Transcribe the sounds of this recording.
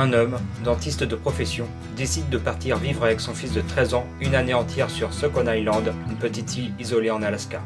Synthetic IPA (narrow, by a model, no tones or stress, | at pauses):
ɛ̃nɔmd̪ɑ̃t̪ist̪d̪əpχɔfɛsjɔ̃ | d̪esid̪ːəpaʁt̪iʁvivʁavɛksɔ̃fisd̪ət̪χɛzɑ̃ | ynaneɑ̃t̪jɛʁsyʁsɔkɔnajlɑ̃d̪ynpət̪it̪fijizɔleɑ̃nalaska